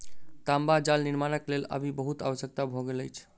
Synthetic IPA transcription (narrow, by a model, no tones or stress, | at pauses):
t̪ambad͡ʒalniɾmanəklelə̰bʱibəɦut̪a̰ʋəsjək̚t̪abʱɔɡeləjt͡ʃʰ